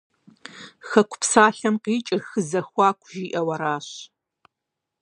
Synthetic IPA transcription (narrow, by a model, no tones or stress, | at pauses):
xɐkʷʰʊ̥psaːɬɐmqiːt͡ʃʼɪrxɨzɐxʷɑːkʷʰʒiːʔɐwɐɾaːɕ